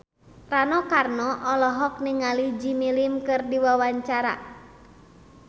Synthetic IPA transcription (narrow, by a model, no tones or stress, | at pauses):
ranɔkarnɔʔɔlɔɦɔk̚niŋalid͡ʒimilimkɨrdiwawaɲt͡ʃaɾa̰